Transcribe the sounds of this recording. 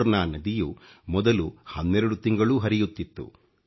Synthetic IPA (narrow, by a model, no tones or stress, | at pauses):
ɾnaːnɐd̪ijumɔd̪ɐluhɐnːɛɾɐɽut̪iŋɡɐɭuɦɐɾijut̪ːit̪ːṵ